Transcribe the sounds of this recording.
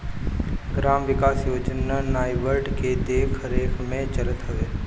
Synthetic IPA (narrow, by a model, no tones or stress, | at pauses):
ɡɾaːmʋɪkaːsjoːd͡ʒnanaːjʋəɾɖked̪eːkʰɾeːkʰmẽt͡ʃɐlət̪ɦoʋeː